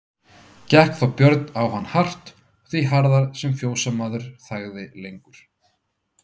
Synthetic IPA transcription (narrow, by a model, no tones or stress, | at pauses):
cɛhkθawpjœɾt̪nawhanːhar̥t̪ | θviɦaɾðaɾsɛmfjoːwsamaːðʏɾ̥θaɣðɪlejŋkʏɾ̥